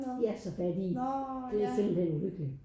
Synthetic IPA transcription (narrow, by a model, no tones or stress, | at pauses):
æsɒfæd̥id̥e̝æse̝mb̥l̩henuløɡ̥li̥